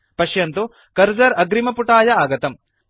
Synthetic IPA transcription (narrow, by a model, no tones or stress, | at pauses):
pɐʃjɐnt̪u | kɐɾd͡ʒɐɾɐɡɾimɐpuʈaːjɐaːɡɐt̪ɐm